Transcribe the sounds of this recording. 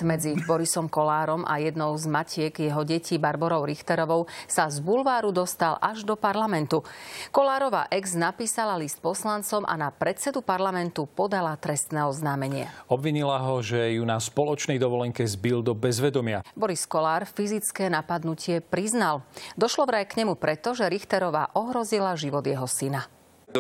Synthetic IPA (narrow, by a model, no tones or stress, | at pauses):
mɛd͡zibɔɾisɔmkɔlaːɾɔmʔa̰jɛd̪nɔʊzmacʰɪɛɡjɛɦɔɟɛciːbaɾbɔɾɔʊɾixt̪ɛɾɔʋɔʊsazbulʋaːɾud̪ɔst̪alʔaʒd̪ɔpaɾlamɛnt̪ukɔlaːɾɔʋa̰ːʔɛɡznapiːsalalist̪̚pɔslant͡sɔmʔa̰napɾɛt̪t͡sɛd̪upaɾlamɛnt̪upɔd̪alat̪ɾɛst̪nɛːɔznaːmɛɲɪɛ̰ɔbʋiɲilaɦɔʒɛjunaspɔlɔt͡ʃnɛjd̪ɔʋɔlɛŋkɛzbild̪ɔbɛzʋɛd̪ɔmɪabɔɾiskɔlaːɾfizit͡skɛːnapad̪nucɪɛpɾiznald̪ɔʃlɔʋvɾajkɲɛmupɾɛt̪ɔʒɛɾixt̪ɛɾɔʋa̰ːʔɔɦɾɔzilaʒiʋɔd̪jɛɦɔsina